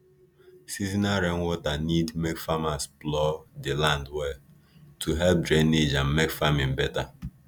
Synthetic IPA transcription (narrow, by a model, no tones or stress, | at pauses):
sizinaɾeŋʷʊtanidmekfamasplɔdɪlandwe | tʰuɦɛlp̚dd͡ʒɾenːid͡ʒam̩mekfamĩm̩bɛta